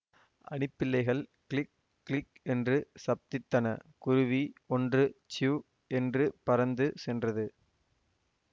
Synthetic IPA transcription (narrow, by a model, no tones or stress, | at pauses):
ʔɐ̰ɳɪpːɪlːɐɪɣɐɭkɭɪk̚ː | lɪk | ɛndrɯsɐp̚t̪ɪt̪ːɐnɐ̰kʊɾʊʋiɔndrɯt͡ʃjuː | ɛndrɯpɐɾɐnd̪ɯsɛndrɐðɯ